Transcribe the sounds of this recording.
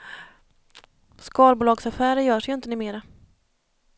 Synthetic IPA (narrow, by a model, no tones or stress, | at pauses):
skɑːlbʊːlɑːɡsafæːɾəjœːʂjɵɪnt̪ənʉːmeːɾa